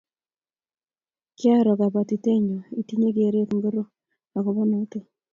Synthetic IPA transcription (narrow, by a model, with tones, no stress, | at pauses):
kɪ˦a˦ɾɔ˨ka˨βa˨ti˨te˦ɲo˨i˨ti˦ɲe˦k̬e˨ɾe˦kŋɡo˦ɾo˦ | a˨ko˨βɔ˦no˦te˦